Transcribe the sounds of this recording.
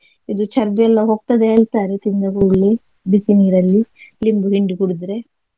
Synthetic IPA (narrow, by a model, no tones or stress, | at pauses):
id̪ut͡ʃɐɾbɛlːɐɦoːɡ̚t̪ɐd̪eɦeːɭt̪aːɾet̪ind̪ɐɡuɭːe | bisiniːɾɐlːilimbuɦiɳɖiɡuɽid̪ɾe̞